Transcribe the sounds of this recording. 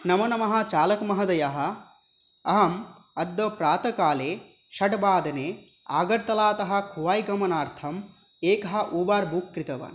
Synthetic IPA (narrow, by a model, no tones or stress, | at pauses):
nɐmɐnɐmɐɦɐ̆t͡ʃaːlɐkmɐɦɐd̪ɐjɐɦɐ̆ | ɐɦɐm | ɐd̪ːɐpɾaːt̪ɐkaːleː | ʃɐʈbaːd̪ɐneːa̰ːɡɐɾt̪ɐlaːt̪ɐɦɐ̆kʰuʋaːjɡɐmɐnaːɾt̪ʰɐm | eːkɐɦɐ̆ʔuːbaːɾbuːkːɾit̪ɐʋɐ̰ːn